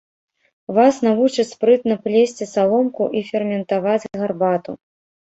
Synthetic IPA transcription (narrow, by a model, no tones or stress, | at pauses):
vasnavut͡ʂɨt͡sʲspɾɨt̪nɐplʲesʲt͡sʲisalˠɔmkuʔifʲɛrmʲɛnt̪avad͡zʲɣarbat̪ṵ